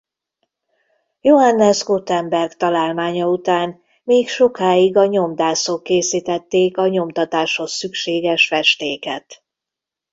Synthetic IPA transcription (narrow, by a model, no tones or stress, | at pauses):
joɦanːɛzɡot̪ɛmbɛrɡt̪ɒlaːlmaːɲɒut̪aːn | meːkʃo̞kaːiɡɒɲo̞md̪aːsokːeːsiːt̪ɛt̪ːeːkɒɲo̞mt̪ɒt̪aːʃho̞sːykʃeːɡɛʃfɛʃt̪eːkɛ̰t̪